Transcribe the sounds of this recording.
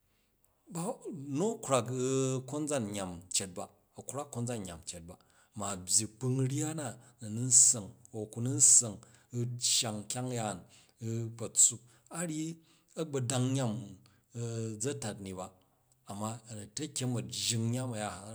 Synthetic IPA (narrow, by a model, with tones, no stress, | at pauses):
ba˦no˦kʷɾa˨kko˦nd͡za˦nɲʲa˨mt͡ʃe˨t̚ba˨ | ɐ˨ku˦ɾa˦kːo˦nd͡za˦nɲʲ˨a̰˨mt͡ʃe˨t̚ba˨ | ma˨bʲji˨k͡pɨ˧ŋ˦ɾi˦a˦na˦nɐ˨nu˦n̩˦sɐ˨ŋo˨ku˨nu˦n̩˦sɐ˨ŋ˦ | t͡ʃːa˨ŋkʲa˦ŋja˦˨n˦ | kɐ˨t͡su˦ | a˦ɽʲi˦ | ɐ˦ɡ͡bɐ˨da˧ŋɲa˦m˨ | d͡zɐ˦ta˨tni˨baː˨ | mːa˦˨nɐ˨te˦kʲe˦mɐ˨d͡ʒi˨˧ŋɲa˦mɐ˨ja˨a˨